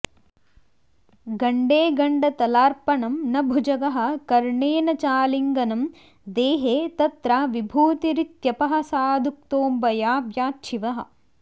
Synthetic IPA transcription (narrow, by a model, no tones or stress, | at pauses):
ɡɐɳɖeːɡɐɳɖɐt̪ɐlaːɾpɐɳɐmnɐbʱud͡ʒɐɡɐɦɐ̆kɐɾɳeːnɐt͡ʃaːliŋɡɐnɐm | d̪eːɦeːt̪ɐt̪ɾaʋibʱuːt̪iɾit̪jɐpɐɦɐ̆saːd̪ʱuk̚t̪oːmbɐjaːbjaːtːʃʰiʋɐɦɐ̰̆